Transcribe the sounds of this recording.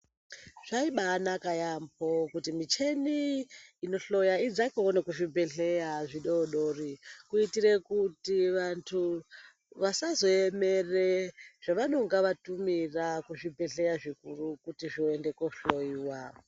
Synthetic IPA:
ʐ̥aiɓanakajambokutimit͡ʃe̞niːno̞ɬo̞jaid͡zakoonekuʐibʱe̞ɬe̞jaʐiɗoɗorikuitirekutiʋantʰu | ʋasazo̞eme̞reʐ̥aʋano̞ŋɡaʋatumirakuʐibʱe̞ɬe̞jaʐikurukutiʐioende̞koɬoiːwa

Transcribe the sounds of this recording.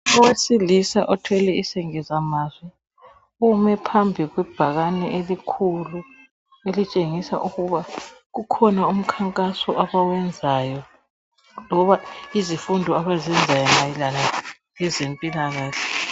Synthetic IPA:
ɔwesilisaʔɔtʰwɛlɛisɛŋɛzamazwɛ | umɛpʰambʱiɣwɛb̥ʱaɣanɛʔelikʰulu | elit͡ʃʼeŋisa̰ʔuɣuβaɣukʰɔnaum̩kʰaŋkʼasɔʔaβawɛnd͡zʱajɔ | lɔβaizifundʱɔaβazɛnd͡zʱajɔnailana | jɛzempʼilaɣaːɬɛ

